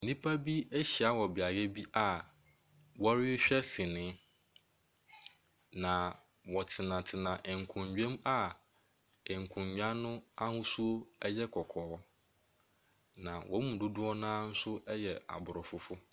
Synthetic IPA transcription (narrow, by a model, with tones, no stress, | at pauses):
nĩ˦pʰa˦bi˦e˦ɕi˨a˨wɔ˨bɪ˨a˨ɡɛ˦bi˦ʔa˨ | wɔ˦ɾɪ˦ɕᶣɛ˦sɪ̃˨nɪ̃˦ | nã˨ | wɔ˨tʰɪ˨nã˨tʰɪ˨nã˨ʔɪ˨ŋ̩˨kʰʊ̃˨ɲd͡ʑᶣẽ˦ma˦ | ɪ˨ŋ̩˨kʰʊ̃˨ɲ˨ɲᶣ˦ã˦nʊ̃˦a˦hʊ̃˦su˦o˦ɛ˦jɛ˦kʰɔ˨kʰɔː˨˦ | nã˨wʔɔ˦mũ˨dʊ˦dʊ˦ɔ˦nãː˦n̩˦sʊ˦ʔɛ˦jɛ˨a̰˨bʊ˨ɾɔ˨fʊ˦fʊ˦